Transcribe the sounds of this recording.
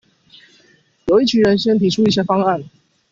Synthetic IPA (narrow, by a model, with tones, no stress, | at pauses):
jo˨˩ʊi˥˩t͡ɕʰy˧˥nɻə˧˥nɕɛ˥nt̪ʰi˧˥ʈ͡ʂʰu˥i˥˩ɕ̬jɛ˥fɑ˥ŋa˥˩n